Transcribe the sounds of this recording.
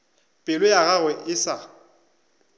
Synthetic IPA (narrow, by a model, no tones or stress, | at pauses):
pʼɪlʊjaɣaɣwɛʔɪsa